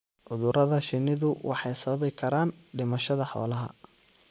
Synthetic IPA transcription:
ʕʊðʊɾɐðɐʃɪnːɪðʊwɑ̰ħɑjsɐɐβɛjkʰɐɾaːn | ɖɪmɐʃɐðɐħɔ̰ːlɐɦɐ̰

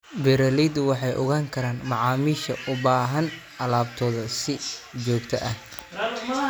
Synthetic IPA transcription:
bɛɾɐliːd̪wɑħɑjʔɔ̰ɣaːŋkʰɐɾaːnmɑʕɑːmiːʃɐʔʊbaːɦɐn | ɐlaːb̚t̪ʰɔːðɐsɪd͡ʒɔːkt̪ʰɐ̰ʔɐh

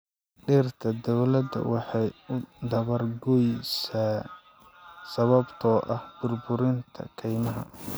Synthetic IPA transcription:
ɖiːrt̪ʰɐd̪ɔwlɐd̪ɐ̰wɑħɑjʊd̪ɐβɐrɡɔjsaː | sɐβɐbt̪ʰɔːʔɐhb̥ʊrbʊɾɪnt̪ʰɐ̰kʰɛjmɐɦɐ̰

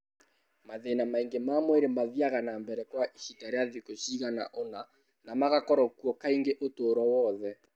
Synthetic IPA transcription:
maðenamaiŋɡemamweɾemaðiaɣanambɛɾɛkwaʔiɕitaɾeaðikoɕiɣana̰ʔona | namaɣakɔɾɔkuɔkaiŋɡeʔotoːɾɔwɔðɛ

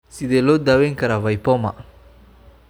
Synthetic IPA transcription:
sidelodaweŋkaɾavajpɔma̰

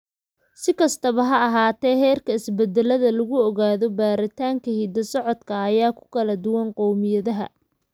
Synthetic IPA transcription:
sɪkʰɐst̪ʰɐβɐɦɐɐɦaːt̪ʰɛːɦɛːrkʰɐɪsbɛd̪ɛlɐðɐlɐɣʊɔɣaːðɔbaːɾɪt̪ʰaːŋkʰɐhiːd̪ɐsɔʕɔd̪kʰɐːjaːkʰʊ̥kʰɐlɐd̪ʊwɐnqɔwmɪjɐðɐɦɐ̰

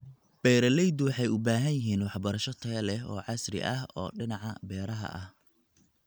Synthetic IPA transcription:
b̥ɛːɾɐlɛjd̪wɑħɑjʊbaːɦɐnjɪɦiːnwɑħbɐɾɐʃɔt̪ʰɐɐlɛɦɔːʕɑsrɪ̰ʔɐɦɔ̰ːɖɪnɑʕɑbɛːɾɐɦɐ̰ʔɐh

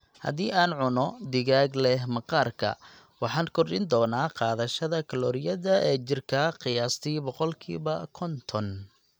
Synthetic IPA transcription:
hɐ̰ðiːʔaːnʕʊnɔd̪ɪɣaːɡlɛɦmɑqɑːrkʰɐ̰ | wɑħɑːnkʰɔrɗɪnd̪ɔːnaːqɑːðɐʃɐðɐkʰɐlɔːɾɪjɐðɐʔɛːt͡ʃɪrkʰɐqɪjaːst̪ʰiːbɔqɔlkʰḭːβɐkʰɔnt̪ʰɔn

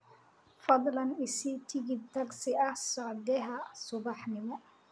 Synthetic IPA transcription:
fɑd̪ˤlɐnɪsit̪ʰɪɡɪd̪̚t̪ʰɐɡsɪʔɐhsɔʕd̪ɛɦɐsʊbɑħnɪmɔ

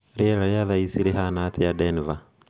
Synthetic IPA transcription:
ɾiɛɾajaðaisiɾiɦanat̪ʰiadɛniva

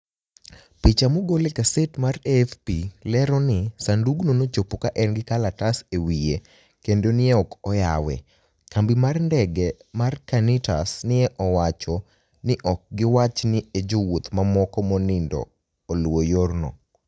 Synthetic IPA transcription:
pit͡ʃamoɡolekasetmarɛfpilɛɾɔnɪsanduɡnonot͡ʃopokaʔɛnɡɪkalatasewije | kendonɪɛɔkɔjawɛ̰ | kambimarndɛɡɛmarkanɪtasnɪɛʔɔwat͡ʃɔ | nɪʔɔk̚ɡɪwat͡ʃnɪed͡ʒowot̪mamɔkɔmɔnɪndɔ̰ː | lwojornɔ̰

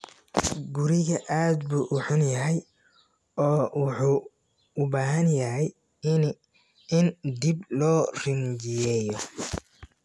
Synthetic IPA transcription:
ɡʊɾɪɣɐʔaːd̪buːʔʊħʊnjɐɦɛj | ɔːwʊħuː | ʊbaːɦɐnjɐɦɛj | ɪnd̪iblɔːrɪnd͡ʒɪjɛːjɔ

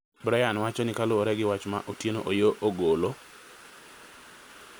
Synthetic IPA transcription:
bɾajanwat͡ʃɔnɪkaloːɾɛɡɪwat͡ʃma̰ʔotjeno̰ʔojoʔoɡolo

